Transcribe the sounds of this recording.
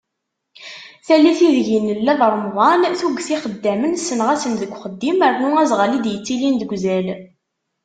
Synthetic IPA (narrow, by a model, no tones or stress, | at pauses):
θælːiθiðʝinːəlːæðˤəɾˤmʁˤɑnθuɡθiχəd̪ːæmənsənʁæsənðəɡʷχəd̪ːiməɾnuæzʁəlid̪jət͡sːilind̪əɡʷzæl